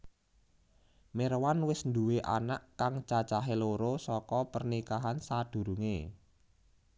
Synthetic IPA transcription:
merwanwɪsnd̪uweʔa̰naʔkaŋt͡ʃat͡ʃaɦeloɾosɔkɔpərnikaɦansad̪̥ṳɾuŋe

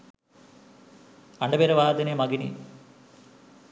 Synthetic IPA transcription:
ɐɳɖɐbeɾɐʋaːd̪ɐnemɐɡinḭ

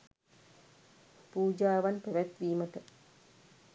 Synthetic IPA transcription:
puːd͡ʒaːʋanpeʋɛt̪ʋiːmət̪ə

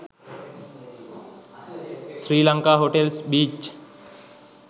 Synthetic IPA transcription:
sɾiːlə̃ŋkaɦoːʈelsbiːt͡ʃ

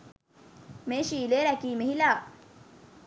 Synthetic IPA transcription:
meːʃiːleːɾækiːmeɦilaː

